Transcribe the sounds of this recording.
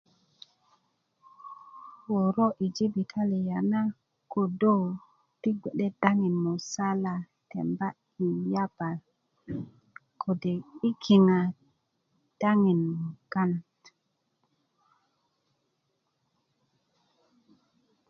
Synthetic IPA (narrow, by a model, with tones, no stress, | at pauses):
wo˨ɾo˦ʔi˨d͡ʒi˦bi˨tʰa˦li˨ja˨na˦ | ko˨do˦w | ti˦ɡ͡be˨ɗe˦da˦ŋi˨nmu˨sa˦la˨ | tḛ˨mba˦ | i˨ja˦b̥a˨l | kʰo˨de˨i˦kʰi˨ŋa˨ | d̥a˦ŋi˨n˨ɡa˦nt